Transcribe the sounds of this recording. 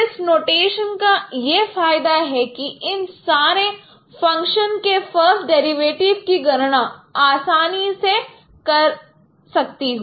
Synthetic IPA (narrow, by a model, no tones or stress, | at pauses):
ɪsnoːʈeːʃənkajefaːɪd̪aɦɛkiɪnsaːɾe | fɐ̃ŋkʃənkefɐɾsʈ̚ɖɛːɾiʋeːʈɪʋkiɡɐɾɽ̃ãaːsaːnise | kɐɾ | sɐk̚t̪iɦoː